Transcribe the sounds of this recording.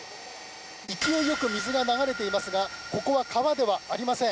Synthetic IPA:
ikʲiejo̞kɯ̟mʲizɨɡanaɡaɾe̞t̪e̞imasɨɡako̞ko̞βakʰaβad̪e̞βaaɾʲimasẽ̞

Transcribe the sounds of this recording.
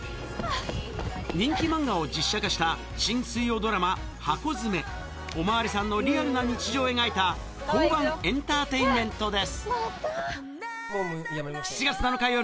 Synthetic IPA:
ɲĩŋkʲimãŋɡao̞d͡ʑiɕːakaɕi̥t̪a | ɕĩñsɨijo̞ːd̪o̞ɾama | hako̞zɨme̞ | o̞maβaɾʲisãnːo̞ɾʲiaɾɯ̟naɲ̟it͡ɕiʑo̞ːe̞ŋait̪a | kõ̞mbãŋẽ̞nt̪aːt̪e̞imẽ̞nt̪o̞d̪e̞sɨ̥ | ç̥t͡ɕiɡat͡sɨnano̞kaio

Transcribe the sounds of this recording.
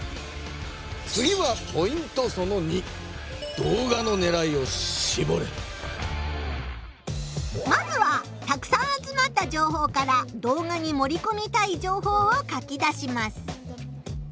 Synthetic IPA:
t͡sɨɡʲiβapo̞ĩnt̪o̞so̞no̞ɲ̟i | d̪̥o̞ːɡano̞ne̞ɾaio̞ibo̞ɾḛ | mazɨβa | t̪akɯ̟̥sãɰ̃at͡sɨmat̪ːad͡ʑo̞ːɦo̞ːkaɾad̪o̞ːɡaɲ̟imo̞ɾʲiko̞mʲit̪aid͡ʑo̞ːɦo̞ːokakʲid̪aɕimasɨ̥

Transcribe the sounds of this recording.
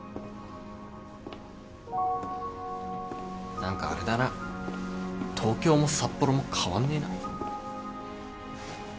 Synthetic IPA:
nãŋka̰ːɾe̞d̪ana | t̪ʰo̞ːkʲo̞ːmo̞sapːo̞ɾo̞mo̞kʰaβãnːe̞ːna̰

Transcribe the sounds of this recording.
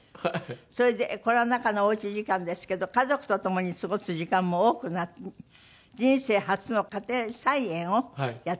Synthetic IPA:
so̞ɾe̞d̪eko̞ɾeanakanooit͡ɕiʑikãnd̪e̞sɨ̥ke̞d̪o̞kazo̞kɯ̟̥t̪ot̪o̞mo̞ɲ̟isɨɡo̞sɨʑikãmːo̞oːkɯ̟na | d͡ʑĩɰ̃se̞ːhat͡sɨno̞kat̪ẽsaiẽɰ̃o̞jat

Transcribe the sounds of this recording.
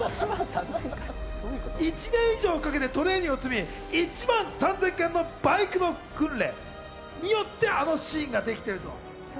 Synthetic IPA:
it͡ɕinẽ̞ɰ̃iʑo̞ːkak̬e̞t̪e̞t̪o̞ɾe̞ːɲ̟io̞t͡sɨmʲi | it͡ɕimãɰ̃sãnd͡zẽ̞ŋkẽnːo̞baikɯ̟no̞kɯ̟̃nɾe̞̰ | ɲ̟ijo̞t̪ːe̞ano̞ɕiːŋɡad̪e̞kʲi̥t̪e̞ɾɯ̟t̪o̰

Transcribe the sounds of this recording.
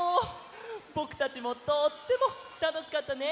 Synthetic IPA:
o | bo̞kɯ̟̥t̪at͡ɕimo̞t̪ot̪ːe̞mo̞ | t̪ano̞ɕi̥kat̪ːane̞

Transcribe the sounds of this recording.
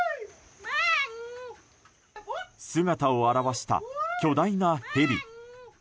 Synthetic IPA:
sɨɡat̪aoaɾaβaɕi̥t̪a̰kʲo̞d̪ainahe̞ɾʲi

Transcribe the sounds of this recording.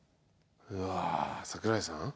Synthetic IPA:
ɯasakɯɾajsã̰

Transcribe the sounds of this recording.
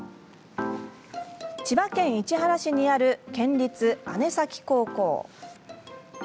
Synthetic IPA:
t͡ɕibakẽ̞ɰ̃it͡ɕiɦaɾaɕiɲ̟iaɾɯ̟kẽ̞ɲɾʲit͡sɨane̞sakʲi̥ko̞ːko̞̰ː

